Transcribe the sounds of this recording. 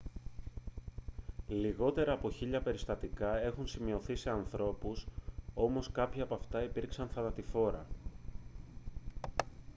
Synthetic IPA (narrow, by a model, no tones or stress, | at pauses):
liɣo̞t̪e̞ɾɐːpo̞çiʎɐpe̞ɾist̪ɐt̪ikɐe̞xunsimio̞θise̞ɐnθɾo̞puso̞mo̞skɐpçɐɐːpɐft̪ɐipiɾksɐnθɐnɐt̪ifo̞ɾɐ